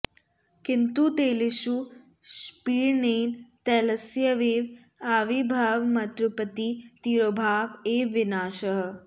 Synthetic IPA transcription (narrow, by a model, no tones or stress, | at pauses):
kɪnt̪ut̪eːlɪʃu | ʃpiːɾneːnt̪ɛːlɐsjɐʋeːʋ | aːʋibʱaːʋmɐt̪ɾʊpət̪it̪iːɾoːbʱaːʋeːʋɪnaːʃɐɦ̆